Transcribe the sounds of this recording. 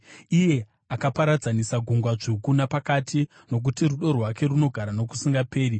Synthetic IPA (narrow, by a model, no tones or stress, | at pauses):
ije̞ | akapaɾad͡zanisaɡʱuŋɡwaʐekunapakati | no̞k̬utiɾuɗo̞rwake̞runo̞ɡʱaɾano̞ku̥siŋɡape̞ːɾi